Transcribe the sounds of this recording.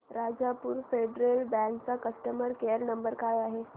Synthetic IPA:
ɾad͡zapuːɾfeɖɾelbɛ̃ŋkt͡sakəsʈəməɾkeəɾnəmbəɾkajaɦe

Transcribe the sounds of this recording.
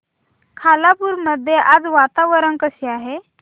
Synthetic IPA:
kʰalapuːɾməd̪ʱːjeʔad͡zʋat̪aʋəɾənkəɕeaɦe

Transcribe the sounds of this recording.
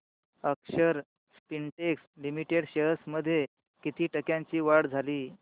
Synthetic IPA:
əkɕəɾ | spinʈekslimiʈeɽɕəɦəsməd̪ʱːje | kit̪iːʈəkjãɲt͡ɕiːʋaɽd͡zʱaliː

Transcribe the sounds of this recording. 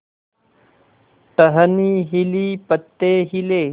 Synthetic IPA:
ʈəɦəniːɦiliːpət̪ːeːɦileː

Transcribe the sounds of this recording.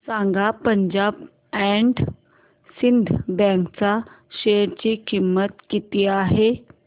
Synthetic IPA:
sãŋɡapəɲd͡ʑab | ɛɳɖ | sind̪ʱbɛ̃kt͡sa | ɕeɾt͡ɕikimːət̪kit̪iːaɦe

